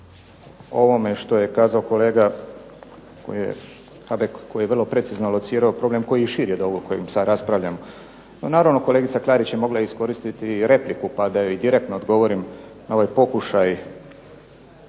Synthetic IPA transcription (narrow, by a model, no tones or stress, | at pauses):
o̞ʋo̞me̞ʃt̪o̞je̞kaːzaoko̞le̞ːɡa | ko̰jijḛ | xabekkːojijeʋrlˠo̞pɾe̞t̪siznolˠot̪siːɾaopɾo̞ble̞mko̞jiʃiːɾjed̪o̞ɡokojimsaɾaspɾaʋʎʲamo | nonaːɾaʋno̞koleːɡit̪saklˠaːɾit͡ɕjemo̞ɡlaisko̞ɾist̪it̪iɾe̞plikupad̪ajoid̪iɾe̞k̚t̪noːd̪ɡo̞ʋo̞ɾimnao̞ʋajpo̞kuʃaj